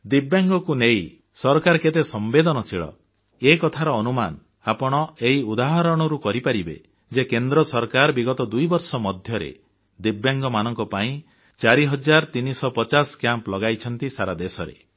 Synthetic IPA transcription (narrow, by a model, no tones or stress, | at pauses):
d̪ibjaŋɡɔkunej | sɔɾɔkaɾɔket̪esɔmbed̪ɔnɔt͡ʃʰiɭɔ̰ | ekɔt̪ʰaɾɔːnuma̰n | apɔɽ̃ɔeiud̪aɦaɾɔɽ̃ɔɾukɔɾipaɾibḛ | d͡ʒekend̪ɾɔsɔɾkaɾbiɡɔt̪ɔd̪ujbɔɾsɔmɔd̪ʱjɔɾḛ | d̪ibjaŋɡɔmanɔŋkɔpaĩ | t͡ʃaɾiɦɔd͡ʒaɾt̪inisɔpɔt͡ʃaskjamplɔɡajt͡ʃʰɔnt̪isaɾad̪esɔɾḛ